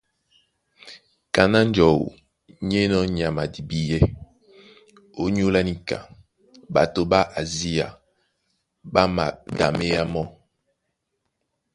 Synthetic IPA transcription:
ka˨na˦n˦d͡ʒɔ˨wṵ˨ | ɲe˦nɔ˦ɲ˨a˨ma˨di˨bi˨jɛ˦ | o˦ɲ˦o˦la˦ni˦ka̰˨ | ba̰˨to˨ba˦ʔa˨zi˦a̰˨ | ba˦ma˨da̰˨me˦ja˦mɔ˦

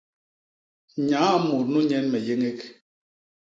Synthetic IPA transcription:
ɲã˨˦˨mu˨ɾnu˦ɲɛ˦nmɛ˨je˦ŋe˦k

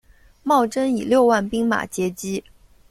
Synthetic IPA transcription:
mɑ˥˩ʊʈ͡ʂə˥ni˨˩ljo˥˧ʊwa˥˩npi˥ŋma̰˨˩t͡ɕjɛ˧˥t͡ɕi˥

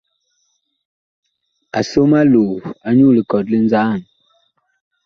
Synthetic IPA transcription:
a̰˨so˦ma˦lo˨a˨ɲu˦lə˨kɔ˨tli˦nd͡zaː˦˨n

